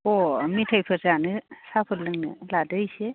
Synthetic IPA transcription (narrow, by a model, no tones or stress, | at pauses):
ɔmitʰajpʰɯzanɯsapʰɯllɯŋnɯ̰ladɯjse